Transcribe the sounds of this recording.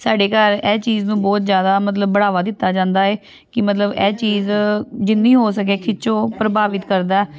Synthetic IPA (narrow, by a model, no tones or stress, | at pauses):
saːɖeːkəɾɛːt͡ʃiːznũːbɔːt̪zjaːd̪aːmət̪ləbːəɽaːʋaːd̪ɪt̪ːaːd͡ʒãːnd̪aːeː | kɪmət̪ləbɛːt͡ʃiːzd͡ʒɪnːiːɦoːsək̬eːkʰɪt͡ʃõːpɾəbaːʋɪt̪kəɾd̪aːɛː